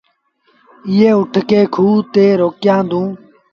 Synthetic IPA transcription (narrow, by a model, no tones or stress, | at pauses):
ɪːeːʊʈʰkeːkʰuːt̪eːɾoːkjãːd̪ũː